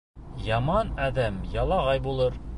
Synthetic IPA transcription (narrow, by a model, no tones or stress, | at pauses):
jɑmɑnæðæmjɑlˠɑʁɑjbulˠɤɾ